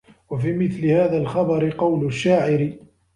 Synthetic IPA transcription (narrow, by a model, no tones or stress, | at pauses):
wafiːmɪθlɪhaːðaːlxɑbɑɾɪqɑwlʊʃːaːʕɪɾɪ